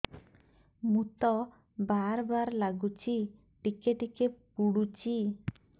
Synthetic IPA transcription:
mut̪ɔ | baɾbaɾlaɡut͡ʃʰi | ʈikeʈikepuɽut͡ʃʰi

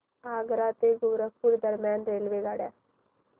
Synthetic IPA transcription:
aɡɾat̪eɡuwɾək̚puːɾd̪əɾmjanɾelʋeɡaɽja

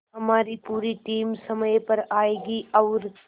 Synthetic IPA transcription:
ɦɐmaːɾipuːɾiʈiːmsɐməjpɐɾaːeːɡiɔːɾ

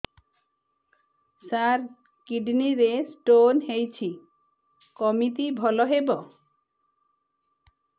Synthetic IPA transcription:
saɾ | kiɖniɾesʈonɦejt͡ɕʰi | kɔmit̪ibʱɔloɦebo

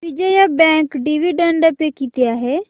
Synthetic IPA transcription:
bid͡ʒeːjabɛ̃ːŋkɖiʋiɖəɳɖəpekiːt̪ɪjaːɦɛː

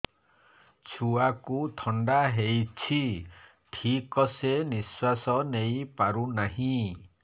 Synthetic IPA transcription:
t͡ʃʰuakut̪ʰɔɳɖaɦejt͡ʃʰi | ʈʰikɔseniswasɔnejpaɾunaɦĩ

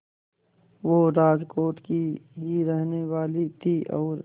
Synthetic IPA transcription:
ʋoɾaːd͡ʒkoːʈkiɦiɾɛɦneʋaːlit̪ʰiʔɔ̰ːɾ

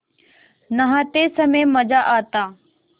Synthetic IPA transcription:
nəɦãːt̪eːsəmẽːməd͡ʒaːʔaːt̪aː

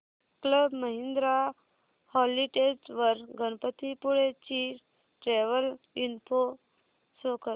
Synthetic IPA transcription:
kləbməɦind̪ɾa | hɔliʈed͡ʑʋəɾɡʱənpət̪ʰipuɭet͡ɕi | ʈɾeʋəl | inpo | sokə

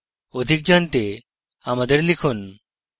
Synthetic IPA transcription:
od̪ʱik̚d͡ʑant̪e | amad̪eɾlikʰun

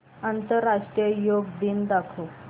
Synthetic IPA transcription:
ənt̪əɾːaʂʈɾijəjoɡ̚d̪iːnd̪akʰu

